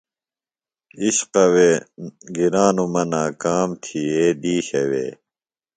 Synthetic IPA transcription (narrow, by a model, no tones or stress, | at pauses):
iɕqɐweːɡiɾaːnumɐnaːkaːmt̪ʰieːd̪iːɕɐwḛː